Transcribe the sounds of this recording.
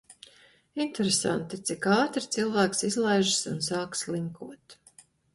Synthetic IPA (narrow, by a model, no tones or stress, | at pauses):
int̪eɾesa̰nt̪it̪sikɑːt̪ɾt̪silˠvæːksizlˠajʒsunsaːkslˠiŋkʰuɔt̪